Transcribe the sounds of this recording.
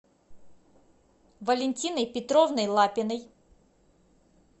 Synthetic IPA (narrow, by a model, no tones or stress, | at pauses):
vɐlʲɪnʲtʲinəjpʲɪt̪ɾovnɨjlˠapʲɪnɨj